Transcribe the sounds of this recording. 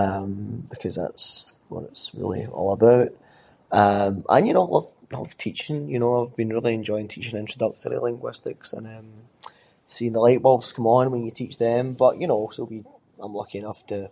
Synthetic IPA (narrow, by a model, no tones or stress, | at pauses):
ʌ̃mb̥ɪkʰʌzða̰ts | wɔ̰ɾɪ̰tsɹḭlˠḭɔ̰lˠəbaʊʔ | ʌ̃mʔə̰̃njɨnoalˠʌv̥ | aɪlˠʌ̰v̥tʰit͡ʃɪ̃ŋjɨnoaɪvbĩnɹilˠiɛ̃nd͡ʒɔɪɪ̃ŋtʰit͡ʃɪ̃ŋɪ̃nt͡ʃɹ̥ədʌk̚tʰə˞ɹḭlˠɪ̃ŋɡwɪstɪksə̰̃nʌ̃m | siɪ̃ŋðəlˠeɪʔbɔbskʰʌ̃mə̃nmwə̃njətʰit͡ʃðə̃mbʌʔjɨnoɔsowi | ãɪ̃mlˠʌkɪ̃ɪnʌftʰə